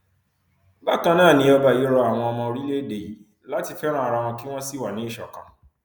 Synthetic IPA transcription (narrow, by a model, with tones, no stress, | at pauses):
ba˦˨kã˧nãː˦˨nĩ˧˦ɔ˧ba˨je˨˦ɾɔ˧a˨w̃ɔ̃˧ɔ˧mɔ̃˧o˧ɾi˦le˦de˨ji˨ | la˨˦ti˧fɛ˦ɾ̃ã˦a˨ɾa˧w̃ɔ̃˧ki˦w̃ɔ̃˦si˦wa˨nĩ˨˦i˦˨ʃɔ̰˨kã˨